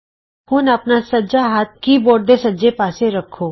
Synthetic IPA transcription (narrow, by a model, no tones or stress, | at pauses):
hʊnɐpnasɐd͡ʒaɦaːt̪̚kiboːɾd̪esɐd͡ʒepaːseɾɐkʰːoː